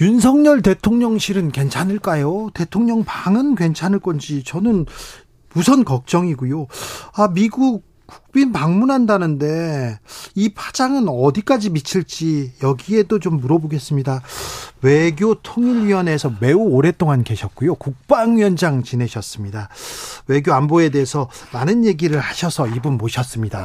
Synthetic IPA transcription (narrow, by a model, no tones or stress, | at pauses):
junsʰʌŋɲʌɭte̞tʰoŋɲʌŋɕʰiɾɯnkwe̞nt͡ɕʰanɯɭk͈ajote̞tʰoŋɲʌŋpaŋɯnkwe̞nt͡ɕʰanɯɭk͈ʌnd͡ʑit͡ɕʌnɯn | musʰʌnkʌk̚t͡ɕ͈ʌŋiɡujoamiɡuk̚ː | u̥k̚p͈inpaŋmunɦandanɯnde̞ | ipʰḁd͡ʑaŋɯnʌdik͈ad͡ʑimit͡ɕʰiɭt͡ɕ͈ijʌɡie̞dot͡ɕomːuɾʌboɡe̞s͈ɯmɲidawe̞ɡjotʰoŋiɾɥiʌnesʰʌme̞uoɾe̞t͈oŋanke̞ɕʰʌt̚k͈ujokuk̚p͈aŋɥjʌnd͡ʑaŋt͡ɕine̞ɕʰʌs͈ɯmɲidawe̞ɡjoanboe̞de̞ɦesʰʌmanɯnje̞ɡiɾɯɭhaɕʰʌsʰʌibunmoɕʰjʌs͈ɯmɲida